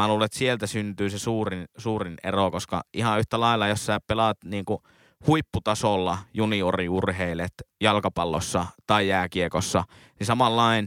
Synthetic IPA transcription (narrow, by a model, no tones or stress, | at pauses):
æluːleet̪sielt̪æsynt̪yːsesuːrinsuːrinḛrokoskɑ̰ʔihɑyht̪ælɑˑilːɑjossæːpelɑt̪niːŋku | huipːut̪ɑsolːɑjunioriurheilet̪jɑlkɑpɑlːo̰sːɑt̪ɑˑijjæːkiekosːɑ | nisɑmɑlːɑˑin